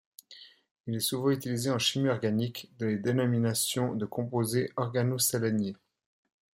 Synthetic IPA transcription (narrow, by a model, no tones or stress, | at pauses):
ilɛsuvɑ̃yt̪ilizeɑ̃ʃimiɔʁɡanikd̪ɑ̃led̪enɔminasjɔ̃d̪əkɔ̃pozeʔɔʁɡanosalanje